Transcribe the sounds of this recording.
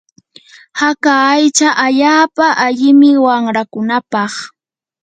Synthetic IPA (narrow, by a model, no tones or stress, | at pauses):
hakaːjt͡ʃaʔaʎaːpaʔaʎɪmɪwaŋɾakʊnapɑχ